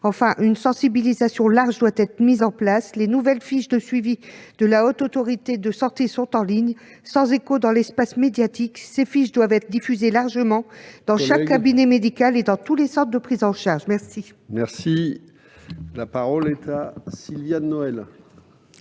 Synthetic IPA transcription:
ɑ̃fɛ̃ʔynsɑ̃sibilizasjɔ̃laʁʒd̪wat̪ɛt̪χəmizɑ̃plaslenuvɛlfiʃd̪əsɥivid̪̥əlaot̪ot̪ɔʁit̪ed̪əsɑ̃t̪esɔ̃t̪ɑ̃liɲ | sɑ̃zekod̪ɑ̃lɛspasmed̪jat̪iksefiʃd̪wavɛt̪χd̪ifyzelaʁʒəmɑ̃d̪̥ɑ̃ʃakkːabinemed̪ikaled̪ɑ̃t̪ulesɑ̃t̪χd̪əpχizɑ̃ʃaʁʒmɛʁsi | mɛʁsi | lapaʁɔlɛt̪asilvjanːɔɛl

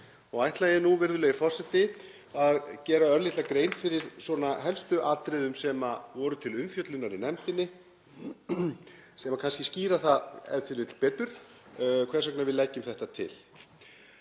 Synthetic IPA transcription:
ɔɣajht̪lajɛnuvɪɾðʏlɛɣɪfɔr̥sɛt̪ɪ | aðcɛːɾaœɾlit̪lakɾejnfɪɾɪɾ̥swɔnaɦɛlst̪ʏʔat̪ɾɪðʏmsɛmavɔɾʏt̪ʰɪlʏmfjœt̪lʏnːaɾɪnɛmt̪ɪnːɪ | sɛmakʰanscɪsciːɾaθaɛ̰θɪɾɪt̪l̥pɛːt̪ʏɾ̥ | kʰvɛrsɛknavɪðlɛcːʏmθɛht̪at̪ʰɪ̰l

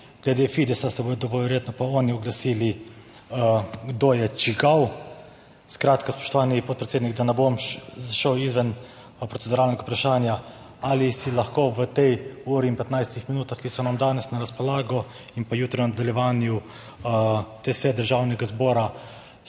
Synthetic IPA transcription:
ɡ̥lɛd̪efiːd̪ɛsasɛboːjd̪ɔbɔʋɛɾjeːt̪nɔpaɔːniɔɡlasili | ɡd̪oːjɛt͡ʃiɡaw | skɾaːt̪kaspɔ̥ʃt̪ɔʋaːnipɔt̪̚pɾɛt̪seːd̪niɡ̚d̪anɛbomʃzaʃəwizʋɛn | pɾɔt̪sɛd̪uɾalnɛɡapɾaʃaːnja | alisilaxkoːʋət̪ɛjuːɾiːnpɛt̪najst̪ixminuːt̪axkisɔnamd̪aːnɛsnaɾaspɔlaːɡɔ | inpajuːt̪ɾiwnad̪aljɛʋaːnju | t̪esʋɛt̪̚d̪əɾʒaːwnɛɡazbɔːɾa

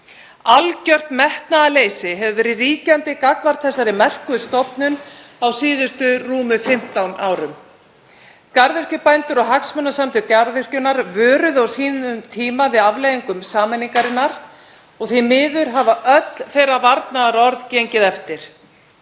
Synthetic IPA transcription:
alcœr̥t̪mɛht̪naðaleːjsɪɦɛvʏvɛːɾɪriːcant̪ɪkakvaɾ̥t̪θɛsːaɾɪmɛr̥kʏst̪ɔpnʏnawsiːðʏst̪ʏruːmʏfɪm̥t̪awnʔa̰ːwɾʏm | kaɾðʏr̥cʏpajnt̪ʏɾɔɣɦaksmœnːasamt̪ɪcaɾðʏr̥cʏnaɾvœːɾʏðawsiːnʏmt̪ʰiːmavɪðavlejɣiŋkʏmsaːmɛniŋkaɾɪnːaɾ̥ | ɔɣθɪjmɪːðʏɾɦavaʔœt̪l̥fɛjɾavaɾt̪naðaɾɔɾðceɲcɪðɛft̪ɪɾ̥

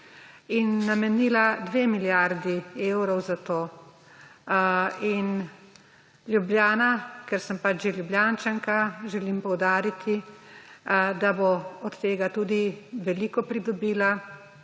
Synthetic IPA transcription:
inːamɛniːlad̪ʋeːmiljaɾd̪ieːwɾɔwzat̪oː | in | lʲjubljaːnakɛɾsəmpat͡ʃʒeljubljaːnt͡ʃaŋkaʒɛlimpɔwd̪aːɾit̪ʰi | d̪aboɔt̪ːeːɡat̪uːd̪iʋɛliːkɔpɾid̪ɔbiːla

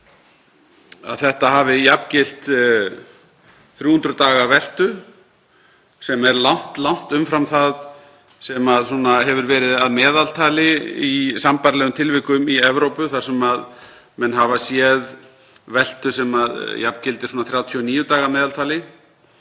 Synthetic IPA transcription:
a̰ðθɛht̪aɦaːvɪjapcɪl̥t̪ | θɾjuːhunt̪ɾʏt̪aːɣavɛl̥t̪ʏ | sɛmɛɾlawn̥t̪lawn̥t̪ʏmfɾamθað | sɛmaðsunaɦɛvʏɾvɛːɾɪðaðmɛːðalt̪ʰaːlɪisampaɾlɛːɣʏmt̪ʰɪlvɪhkʏmiɛvɾowpʏθaɾ̥sɛmað | mɛnɦavasjɛð | vɛl̥t̪ʏsɛmaðjapcɪlt̪ɪɾ̥suːnaθɾjaːwt̪ʰiɔniːjʏt̪aːɣamɛːðalt̪ʰaːlɪ

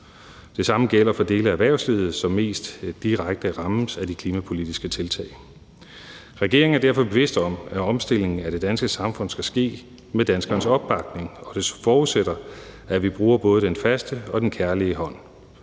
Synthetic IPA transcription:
d̥e̝sɑ̈məɡ̥el̰ɐfɒ̽d̥e̝ːləææʋæɐʊslið̩ˠsɒ̽mːe̝̰ːsd̥ːiʁaɡ̥̚d̥əʁɑ̈m̩sæd̥ikʰliːmæpʰo̝lid̥isɡ̥ət͡sʰe̝lt͡sʰɛ̰ɪ̰ | ʁɛɡ̥e̝ɐ̰eŋ̩æɐdæɐfɒ̽b̥e̝ʋe̝sd̥ɒ̽m̰æɒ̽msd̥e̝l̰e̝ŋŋ̩æɾ̥e̝d̥ænsɡ̥əsɑ̈mfɔ̽n̰sɡ̥æsɡ̥e̝̰ː | med̥ænsɡ̥ɐːnəsɒ̽b̥ːɑ̈ɡ̥̚ne̝ŋɒ̽d̥e̝sfɒːuðˠseɾ̥ɐæʋib̥ʁuːɐb̥ɔ̽ːð̞ˠəd̥enfæsd̥əɒ̽d̥enkʰæɐliəɦɒ̽n̰

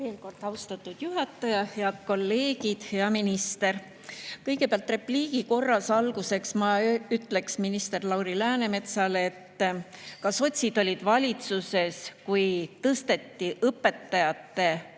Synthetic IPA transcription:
ve̞ːlko̞rd̪ɑwst̪ɑt̪ːˑud̪̥juɦɑt̪ːˑɑjɑheɑd̪̥̚ko̞lːe̞ːɡid̪̥heɑminist̪e̞ɾ | kɤjɡ̥e̞peɑlt̪re̞pliːɡ̥iko̞rːɑsɑlɡ̥use̞ksmɑyt̪ːˑle̞ksminist̪e̞rlɑwɾilæːne̞me̞t̪sɑle̞t̪ːkɑso̞t̪ʲsʲid̪̥o̞lʲid̪̥vɑlʲit̪suse̞skujt̪ɤst̪e̞t̪ːiʔɤpːe̞t̪ːɑjɑt̪ːe̞

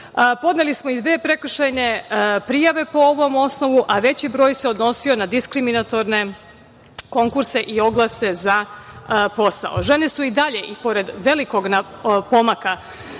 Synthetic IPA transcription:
po̞d̪nelismo̞id̪ʋeːpɾe̞kr̩ʃajne̞pɾijaʋe̞po̞oʋo̞mo̞sno̞ʋuʔaʋe̞t͡ɕibɾo̞ːjseo̞d̪no̞sio̞nad̪iskɾiminat̪o̞ɾne̞ | ko̞ŋkuɾse̞ʔio̞ɡlˠase̞za | po̞sa̰o̰ʒe̞ne̞suid̪aʎe̞ʔipo̞ɾe̞d̪ʋe̞liko̞ɡna | po̞maka

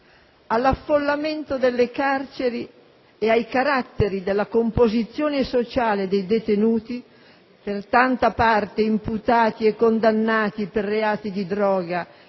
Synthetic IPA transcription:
alːafːolːament̪od̪elːekart͡ʃeɾi | eajkaɾat̪ːeɾid̪elːakompozit̪sːjoːnesot͡ʃaːled̪ejd̪et̪enuːt̪i | pert̪ant̪apart̪eimput̪aːt̪iekːond̪anːaːt̪iperːeaːt̪id̪id̪ɾɔːɡa

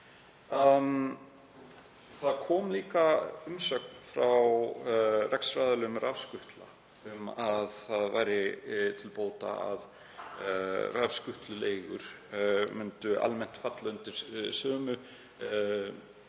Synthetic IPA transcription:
a | θaðkʰɔːmliːkaʏmsœːk̚nfɾaw | rɛksfɾaːjðalʏmrafskʏht̪la̰ | ʏmaðθaðvajɾɪt̪ʰɪlpoːwt̪a̰a̰ð | ravskʏht̪lʏleːjɣʏ̰ɾ̥ | mʏnt̪ʏʔa̰lmɛn̥t̪fat̪laʏnt̪ɪɾ̥sœːmʏ

